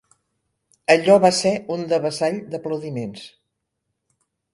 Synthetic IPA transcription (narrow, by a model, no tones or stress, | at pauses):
əʎɔβaseund̪əβəzaʎd̪əpləwðimens